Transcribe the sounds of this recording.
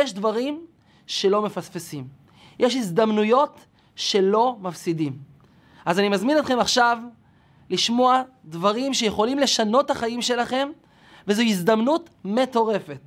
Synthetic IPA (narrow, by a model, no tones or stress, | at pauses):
jeʃdvaʁim | ʃe̞lo̞me̞fasfesim | jʔeʃizd̪amnujo̞t | ʃe̞lo̞mafsidim | ʔazanimazminot̪χe̞maχʃav | liʃmo̞a | dvaʁimʃejeχo̞limle̞ʃano̞taχajimʃe̞laχe̞m | vezoizd̪amnutme̞to̞ʁe̞fe̞t